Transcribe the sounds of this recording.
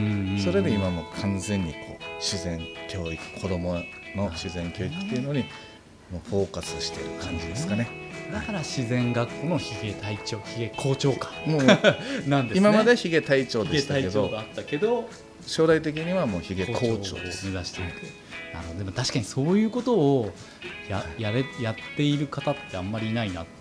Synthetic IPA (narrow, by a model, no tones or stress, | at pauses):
ɯ̃so̞ɾe̞d̪eimamo̞ːkʰãnzẽ̞ɲ̟ːikʰo̞ːɕizẽ̞ŋkʲo̞ːikɯ̟̥kʰo̞d̪o̞mo | no̞ɕizẽ̞ŋkʲo̞ːikɯ̥t̪ːeiɯ̟no̞ɲ̟i | moːɸo̞ːkasɨɕi̥t̪e̞̰iɾɯ̟kʰãɲd͡ʑid̪esɨ̥kane̞ | d̪akaɾaɕizẽ̞ŋɡakːoːno̞çiɡet̪ait͡ɕo̞ːçiɡekʰo̞ːt͡ɕo̞ːkḁɯ̃ | nãnd̪iɨmanmad̪e̞çiɡe̞t̪ait͡ɕo̞ːdieɡet̪aiedt͡ɕ̪o̞ːɡaːt̪ːake̞d̪o̞ | ɕo̞ːd̪ait̪̬e̞k̬ʲiɲ̟iβamo̞ːçiɡekoːt͡ɕoːme̞zaɕi̥t̪e̞it̪e | na̰ɾɯ̟ɦod̪emot̪aɕi̥kaɲ̟iso̞ːjɯ̟ːko̞t̪o̞ː | jajaɾejat̪ːe̞iɾɯ̟kat̪at̪ːe̞amːaɾʲiːnainat̪